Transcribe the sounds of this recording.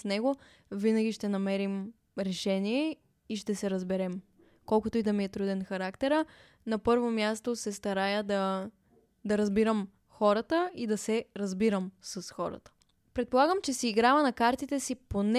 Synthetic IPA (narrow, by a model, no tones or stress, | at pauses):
snɛɡo | vinɐɡ̟ʲiʃt̪ɛnɐmɛɾim | ɾɛʃɛniɛ | iʃt̪ɛsɛɾɐzbɛɾɛm | kɔlˠkʊt̪oid̪ɐmiɛt̪ɾud̪ɛnxɐɾakt̪ɛɾə | nɐpɤɾvomʲjast̪osɛst̪ɐɾajəd̪ɐ | d̪ɐɾɐzbiɾəm | xɔɾət̪əid̪ɐsɛɾɐzbiɾəmsɐsxɔɾə̰t̪ə̥ | pɾɛt̪polˠaɡəmt͡ʃɛsiːɡɾavɐnɐkaɾt̪it̪ɛsipon